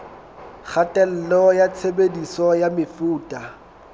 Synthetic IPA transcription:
χʰatʼɛl̩lɔjat͡sʰebedisɔjamɪfuːtʼa

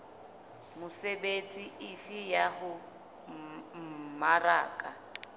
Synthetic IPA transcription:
mʊsebet͡sʼiɪfɪjahʊ | m̩mara̰ːkʼa

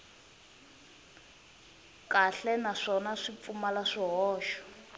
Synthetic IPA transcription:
kaɬɛnaʂɔnaʂip̪fumalaʂiɦɔːʃɔ̥

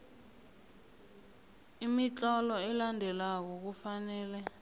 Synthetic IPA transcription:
imit͡ɬʼɔlɔɛlandʱɛlak̬ɔk̬ufanɛːlɛ

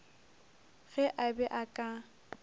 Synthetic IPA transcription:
ɣɛʔabɛʔakʼa

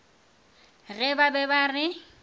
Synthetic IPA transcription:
ɣɛbabɛbarɪ

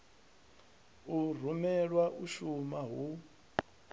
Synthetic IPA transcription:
ur̤umɛɺwaʔuʃumaɦu

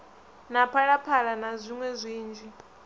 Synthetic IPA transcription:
napʰaɺapʰaɺanazʷiŋwɛzʷiːnd͡ʒʱi

